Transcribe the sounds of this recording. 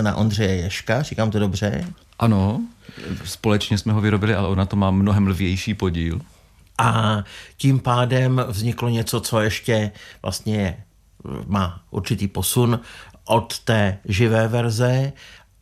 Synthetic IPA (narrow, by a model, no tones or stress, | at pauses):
na̰ʔo̞nd̪r̝ɛjɛjɛʃkar̝iːkaːmt̪odobr̝ɛ̰ | ʔano | spolɛt͡ʃɲɛsmɛɦovɪɾobɪlɪalɛʔonat̪omaːmnoɦɛmlvjɛjʃiːpoɟiːl | ʔacimpaːdɛmvzɲɪkloɲɛt͡so̞t͡so̞jɛʃcɛvlʔa̰st̪ɲɛjɛ | maːʔṵɾt͡ʃɪt̪iːpo̞sunʔot̪ːɛːʒɪvɛːvɛɾzɛ